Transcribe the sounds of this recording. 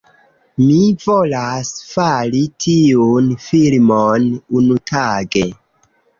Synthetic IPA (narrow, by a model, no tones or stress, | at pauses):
mivolasfalitʰiunfilmonunutʰaɡe